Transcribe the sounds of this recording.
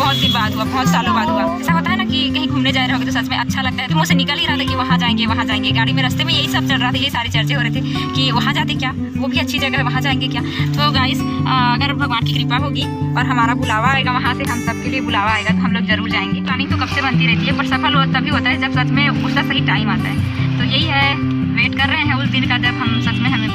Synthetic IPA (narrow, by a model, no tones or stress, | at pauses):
bɔɦt̪̚d̪ɪɡbaːd̪ɦuabɐɦt̪saːlubaːd̪ɦuaɛːsakɐt̪aɦɛnakikɐɦĩɡʱuːmned͡ʒaːeɾeɦõŋɡet̪osɐtt͡ʃʰmẽʔɐtːʃʰalɐɡ̚t̪aɦɛt̪omõsenɪkəlɦiɾɐɦat̪ʰakiʋɐɦãd͡ʒaːẽːŋɡeʋɐɦãd͡ʒaːẽːŋɡeɡaːɽ̃imẽɾɐst̪emẽjɐɦisɐb̚t͡ʃɐlɾɐɦat̪ʰɛjɐɦisaːɾet͡ʃɐɾt͡ʃeɦoːɾɐɦet̪ʰe | kiʋɐɦãd͡ʒaːt̪ekjaː | ʋoːbʱiɐtːʃʰid͡ʒɐɡaɦɛʋɐɦãd͡ʒaːẽːŋɡekjaːt̪oːɡaːɪs | ɐɡəɾbʱɐɡʋaːnkikɾiːpaɦoːɡiɔːɾɦɐmaːɾabʊlaːʋaːeːɡaʋɐɦãseɦɐmsɐb̚keliebʊlaːʋaːeːɡat̪oɦɐmloːɡzɐɾuːɾd͡ʒaːẽŋɡekɾaːnɪ̃t̪okɐbsebɐ̃nt̪iɾɛɦt̪iɦɛpɐɾsɐpʰəloːzt̪ɐbʱiɦoːt̪aɦɛd͡ʒɐbsɐt̪ʰmẽpʊsasɐɦiʈaːɪmaːt̪a̰ɦɛ̃ | t̪ojɐɦiɦɛ | ʋeːʈkɐɾːɐɦẽɦɛ̃ʊsd̪ɪnkad͡ʒɐbɦɐmsɐt̪ʰmẽɦɐm